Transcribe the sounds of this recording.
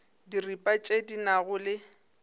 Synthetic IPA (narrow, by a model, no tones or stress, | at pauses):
diripʼat͡ʃʼedinaɣʊlɪ